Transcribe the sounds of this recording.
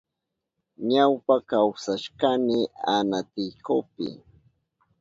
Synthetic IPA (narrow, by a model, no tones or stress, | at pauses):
ɲawpakawsaʃkamɪanat̪ɪjkʊpɪ̰